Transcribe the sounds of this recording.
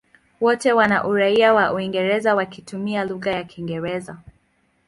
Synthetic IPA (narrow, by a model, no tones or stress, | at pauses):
wɔtɛwana̰ʔuɾaiawaʔuiŋɡɛɾɛzawakitumialuɣajakʰiŋɡɛɾɛza